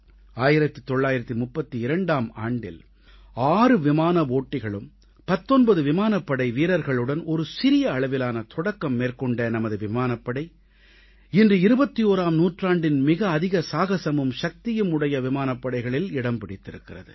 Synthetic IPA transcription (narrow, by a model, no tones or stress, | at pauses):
aːjɪɾɐt̪ːɯt̪ɔɭːaːjɪɾɐt̪ːɯmʊpːɐt̪ːiɪɾɐɳɖaːma̰ːɳɖɪ̰l | aːɾɯʋɪmaːnɐʋoːʈːɪɣɐɭɯm | pɐt̪ːɔnbɐðɯʋɪmaːnɐpːɐɽɐɪʋiːɾɐɾɣɐɭɯɽɐnɔɾɯsɪɾɪjɐːɭɐʋɪlaːnɐt̪ʰɔɽɐkːɐmːeːɾkɔɳɖeːnɐmɐðɯʋɪmaːnɐpːɐɽɐɪ | ɪndrɯɪɾɯbɐt̪ːioːɾaːmnuːʈraːɳɖɪnmɪɣɐːðɪɣɐsaːɣɐsɐmɯmʃɐk̚t̪ɪjɯmʊɽɐjɐʋɪmaːnɐpːɐɽɐɪɣɐɭɪlɪɽɐmpɪɽɪt̪ːɪɾɯkːɪrɐ̰ðɯ̰